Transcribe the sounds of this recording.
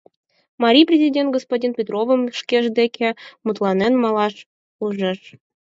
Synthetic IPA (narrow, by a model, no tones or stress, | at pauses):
mɑɾʲijprʲezʲidʲent̪̚ɡospodʲinpʲet̪rovəmʃkʲeʒd̪ekʲʰemut̪lˠɑnenmɑlɑʃ | uʒə̆ʃ